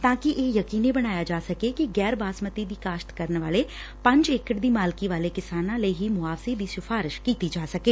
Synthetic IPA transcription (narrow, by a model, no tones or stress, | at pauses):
t̪ãːkɪʔeːjəkiːneːbəɽ̃aːjaːd͡ʒaːsəkeːkɪɡɛːɾbaːsmət̪iːd̪iːkaːʃt̪kəɾənʋaːleː | pə̃ɲd͡ʒekəʈd̪iːmaːlkiʋaːleːkɪsaːnãːləiːɦiːmʊaːʋseːd̪iːsɪfʰaːɾɪʃkiːt̪iːd͡ʒaːsəkeː